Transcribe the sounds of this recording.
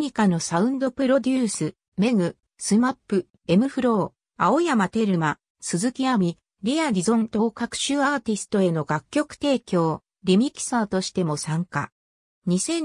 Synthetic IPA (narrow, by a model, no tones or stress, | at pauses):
ɲʲikano̞saɯ̟̃nd̪o̞pɯ̟ɾo̞d̪ʲɨːsɨ | me̞ŋɯ̟ | sɨmapːɯ̟ | e̞mɯ̟ɸɯ̟ɾo̞ː | ao̞jamat̪e̞ɾɯ̟ma | sɨzɨkʲiamʲi | ɾʲiaɾʲizõ̞nt̪o̞ːkakɯ̥ɕɨːaːt̪ʲisɨ̥t̪o̞e̞no̞ɡakʲːo̞kɯ̟̥t̪e̞ːkʲo̞ː | ɾʲimʲiki̥saːt̪o̞ɕi̥t̪e̞mo̞sãŋka̰ | ɲ̟isẽ̞